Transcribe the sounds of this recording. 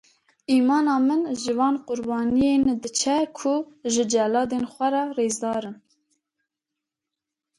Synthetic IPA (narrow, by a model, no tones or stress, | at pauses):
iːmɑːnɑːmɨnʒɨvɑːnqʊɾbɑːnijend̪ɨt͡ʃʰɛkʰʊʒɨd͡ʒɛlɑːd̪enxʷɛɾɑreːzd̪ɑːɾɨn